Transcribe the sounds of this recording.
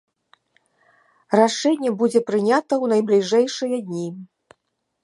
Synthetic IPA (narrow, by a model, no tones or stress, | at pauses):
raʂɛnʲːɛbud͡zʲɛpɾɨnʲat̪ɐwnɐjblʲiʐɛjʂɨjɐd̪ʲnʲi